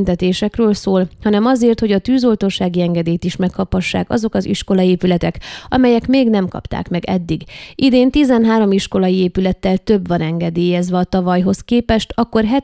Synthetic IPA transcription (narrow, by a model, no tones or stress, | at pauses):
nt̪ɛt̪eːʃɛkrøːlsoːlhɒnɛmɒzeːrt̪ho̞ɟɒt̪yːzo̞lt̪oʃaːɡiɛŋɡɛd̪eːjt̪iʃmɛkhɒphɒʃːa̰ːkɒ̰zo̞kɒzḭʃko̞lɒeːpylɛt̪ɛkɒmɛjɛkmeːɡnɛmkɒ̰pt̪a̰ːkmɛɡɛd̪ːiɡʔid̪eːnt̪izɛnɦaːɾo̞miʃko̞lɒjieːpylɛt̪ːɛlt̪ø̞bʋɒnɛŋɡɛd̪eːjɛzʋɛɒt̪ɒvɒjɦo̞skeːpɛʃt̪ɒkːo̞rɦɛ